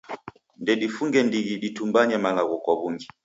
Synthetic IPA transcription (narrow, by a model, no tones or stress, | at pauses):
ndɛɗifuŋɡɛndiɣiɗitumbaɲamalaɣɔkwaβuŋɡi